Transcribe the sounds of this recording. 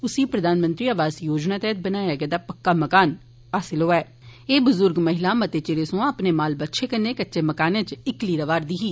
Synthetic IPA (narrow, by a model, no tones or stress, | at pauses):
ʊsiːpɾəd̪aːnmə̃nt̪ɾiːaːʋaːzjoːd͡ʒnaːt̪ɛːt̪̚ʰbənaːjaːɡɛd̪aːpəkːaːməkaːn | aːsɪlɦoːɛː | eːbʊzʊɾɡməɦɪlaːmət̪eːt͡ʃeɾesõəpneːmaːlbətːʃʰeːkənːeːkətːʃeːməkaːnẽt͡ʃɪkliːɾəʋaːɾd̪iːɦiː